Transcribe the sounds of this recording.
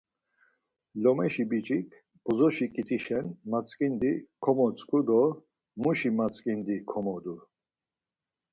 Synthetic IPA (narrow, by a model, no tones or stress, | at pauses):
lɔmɛʃibit͡ʃʼikʰ | bɔzɔʃikʼit̪ʰiʃɛnmat͡sʼkʼind̪ikʰɔmɔt͡sʼkʼud̪ɔ | muʃimat͡sʼkʼind̪ikʰɔmɔd̪u